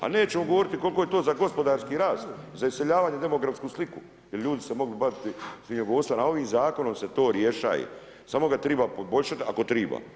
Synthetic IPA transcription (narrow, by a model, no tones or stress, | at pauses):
a̰neːt͡ɕe̞moɡoʋo̞ɾit̪iko̞lkoje̞t̪oːzaɡo̞spo̞d̪aːɾskiːɾaːst̪zaise̞ʎaːʋaːɲed̪e̞mo̞ɡɾafskuːsliku | jelʎuːd̪isemo̞ɡlibadit̪isʋiɲeɡoʋost̪anao̞ʋiːmzaːko̞no̞mse̞t̪o̞ːɾjeʃa̰ːjḛ | saːmo̞ɡat̪ɾiːbapobo̞ʎʲʃat̪iakot̪ɾiːba̰